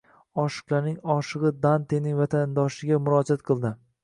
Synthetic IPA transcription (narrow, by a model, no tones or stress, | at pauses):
ɒʃɨ̥qlˠaɾnɪŋɒʃɨʁɨd̪ant̪enɪŋvat̪ʰand̪ɒʃɪɡʲamʊɾɒd͡ʒat̪qʰɨlˠd̪ɪ